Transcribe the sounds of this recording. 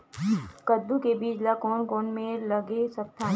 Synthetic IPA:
kəd̪ukebiːd͡ʒlakɔːnkɔːnmẽləɡesɐk̚t̪ʰaː

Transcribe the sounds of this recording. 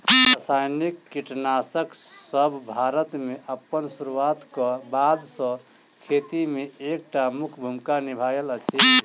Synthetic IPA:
ɾasajnikːiʈnasəksəbʱbʱaɾət̪meʔəpːənsuɾuat̪kəbad̪sə̃ | kʰet̪imeek̚ʈamukʰbʱumkanibʱajələt͡ʃʰi

